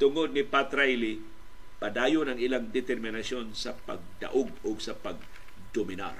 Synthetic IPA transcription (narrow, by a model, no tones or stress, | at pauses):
t̪ʊŋod̪̚nɪpat̪ɾajlɪ | pɐd̪aːjonɐŋɪlaŋd̪ɛt̪ɛɾmɪnɐsjonsɐpɐ̰ɡ̚d̪ɐ̰ʔoɡʊɡsɐpɐɡ̚ | d̪omɪna̰r